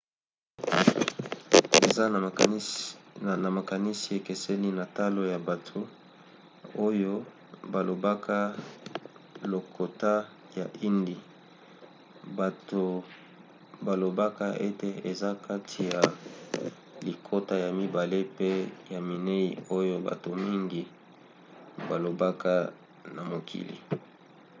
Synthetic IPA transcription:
e˨a˦˨ | na˨ma˨ka˨ni˦si˨e˨ke˨sɛ˦li˦na˨ta˦lo˦ja˨ba˨tʰo˨ | o˦jo˦ | ba˨lo˨ba˦ka˦ | lo˨kʰo˨ta˦ | ja˨ʔi˦ndi˨ | ba˨to˨ | ba˨lo˨ba˦ka˦e˦te˨e˨za˦ka˦tʰi˨ja˨ | li˨kʰo˦ta˦ja˨mi˦ba˨le˦pe˦ja˨mi˨ne˦ḭ˨o˦jo˦ba̰˨to˨mi˦ŋɡi˦ | ba˨lo˨ba˦ka˦ | na˨mo˨kʰḭ˨lḭ˨

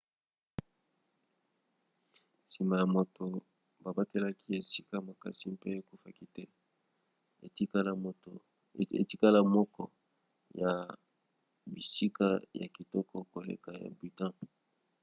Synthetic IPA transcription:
si˨ma˨ja˨mo˨to˨ | ba˨ba˦te˦la˦ki˦e˨si˦ka˦ma˨ka̰˨si˦pe˦˨ku˦fa˦ki˦tɛ˦˨˦ | lo˨ | ḛ˨ti˦ka˦la˦mɔ˦kɔ˦ | ja˨ | bi˨si˦ka˦ja̰˨ki˨tɔ˦kɔ˦ko˨lḛ˨ka˨ja̰˨bi˨tã˦

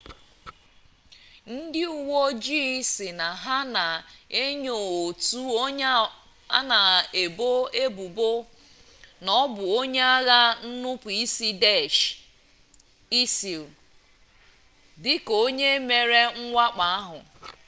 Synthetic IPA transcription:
n̩˦dɪ˦u˨wo˦d͡ʒi˦sɪ˨na˨ɦa˦na˨e˦ɲo˨o˨tu˦o˦ | a˦na˨e˨bo˦e˦bu˨bo˦ | nɔ˦bʊ˨o˦ɲe˦a˦ɣa˦n̩˦nʊ˦pi˦si˦de˦ʃ | i˦si˨l | dɪ˦ko˦ɲe˦me˨ɾe˦ŋ̩˦ŋʷa˦k͡pa˨a˦ɦʊ˨

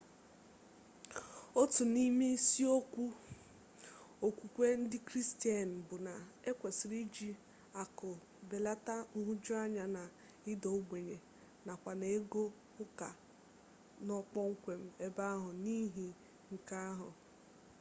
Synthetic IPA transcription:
o˦tu˨ni˦me˦si˦o˦kʷu˦ | o˨kʷu˨kʷe˦n̩˦dɪ˦kɾi˦sti˦a˨n̩˨bʊ˨na˨e˦kʷe˨sɪ˨ɾi˦d͡ʒi˦ | a˨kʊ˨ | be˨la˦ta˦ŋ̩˦ɦu˦d͡ʒʊ˦a˦ɲa˨na˨ | ɪ˦dɔ˨o˦ɡ͡bʷe˨ɲe˨ | na˨kʷa˨ne˨e˦ɡo˦ | ʊ˦ka˨ | nɔ˦k͡pɔ˦ŋ̩˦kʷe˨m̩˦e˦ba˦a˦ɦʊ˨ni˦ɦi˨ | ŋ̩˨ka˦ɦʊ˨

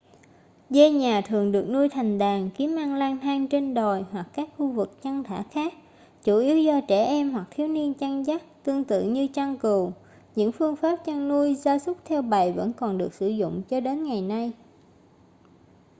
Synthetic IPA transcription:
ze˧ɲaː˨˩t̪ʰɨ˨˩əŋɗɨ˨˩ək̚nu˧əjt̪ʰa˨˩jŋ̟ɗaː˨˩ŋki˨˦əmʔaː˧ŋlaː˧ŋt̪ʰaː˧ŋt͡ɕe˧nɗo˨˩jhwa˨˩kːaː˦˥k̚xu˧vɨ˨˩k̚t͡ɕa˧ŋt̪ʰa̰ː˧˥xaː˦˥k̚ | t͡ɕu˧˩ʔi˨˦əwzɔ˧t͡ɕɛ˧˩ʔɛ˧mɦwa˨˩k̚t̪ʰi˨˦wni˧ənt͡ɕa˧ŋza˦˥k̚t̪ɨ˧əŋt̪ɨ̰˧˨ɲɨ˧t͡ɕa˧ŋku˨˩w | ɲɨ̰˧˥ŋfɨ˧əŋfaː˦˥p̚t͡ɕa˧ŋnu˧əjzaː˧sʊ˦˥k͡p̚t̪ʰɛ˧wɓa˨˩jvə̰˧˥nkɔ˨˩nɗɨ˨˩ək̚sɨ˧˩zʊ̰˧˨ŋ͡mt͡ɕɔ˧ɗe˨˦nŋa˨˩jna˧j

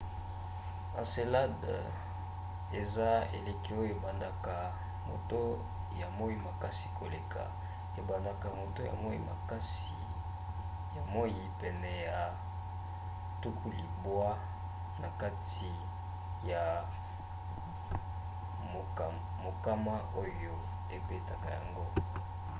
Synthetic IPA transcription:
a̰˨se˨la˦d | e˨za˦ḛ˨le˨ki˦o˦jo˨e˨ba˨nda˨ka˨ | mo̰˨to˦ | ja˨mo˦i˦ma˨ka˦si̥˨ko˨le˨kʰa̰˨ | e˨ba˨nda˨ka˨mo˨to˦ja̰˨mo˦jḭ˦ma̰˨ka˦s | i˨ | ja˨mo˦ji˨pɛ˨nɛ˨ja˨ | tu˦kʰu˦li˨bwa˦ | na˨ka˦t | i˨ | ja˨ | mo˨ | mo˨ka˦ma˦ʔo˦jo˦ | e˨be˦ta˨ka˨ja̰˨ŋɡo˦

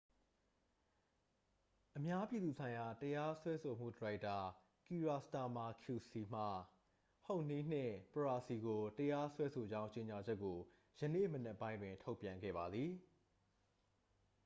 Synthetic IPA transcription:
ʔəmja˦pji˨d̪u˨sʰã˨ɪ̃ja˨təja˦swɛ˦sʰo˨m̥ṵ˦˨dəɹa˦ɪtːa˨ | ki˨ɹa˨sta˨ma˨kʰju˨si˨m̥a˨ | hõ˦˨ʊ̃ni˦˨n̥ɪ̰̃˦˨pəɹa˨si˨ɡo˨təja˦swɛ˦sʰo˨d͡ʑã˦ʊ̃ɲt͡ɕe˨ɲa˨d͡ʑɛ˦kːo˨ | jənḛ˦˨mənɛ˦pːã˦ɪ̃ndwɪ̃˨ntʰo˦ʊpjã˨ŋɡɛ̰˦˨ba˨d̪ði˨

